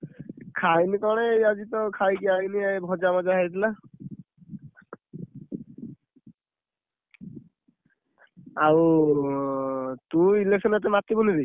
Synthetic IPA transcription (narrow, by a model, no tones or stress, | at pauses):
kʰajnikaɹɔneazit̪ɔkʰajkiainiajbʱɔd͡ʒamazaɦajt̪ʰla | au | tuileksɔnat̬ɛmat̪ibɔniɾi